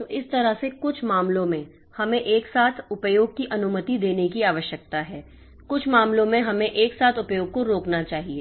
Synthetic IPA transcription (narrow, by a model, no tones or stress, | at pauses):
t̪oːʔɪst̪ɐɾəsekʊt͡ʃʰmaːmlõmẽ | hɐmẽʔeːksaːt̪ʰʊpjoːɡ̚kiʔɐnʊmət̪id̪eːnekiaːʋəʃjək̚t̪aɦɛː | kʊt͡ʃʰmaːmlõmẽɦɐmẽʔeːksaːt̪ʰʊpjoːɡ̚koɾoːknat͡ʃaːɦieː